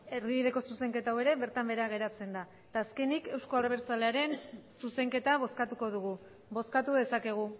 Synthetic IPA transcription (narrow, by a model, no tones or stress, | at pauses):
erβiβiðe̞ko̞suse̞ŋke̞t̪awe̞ɾe̞βe̞ɾt̪ambe̞ɾaɣ̞e̞ɾat͡se̞nd̪a | t̪aːske̞nike̞wskoaɾβ̞eɾt͡sale̞aɾe̞nsuse̞ŋke̞t̪aβ̞o̞skat̪uko̞ðuɣ̞u | bo̞skat̪uðesake̞ɣ̞u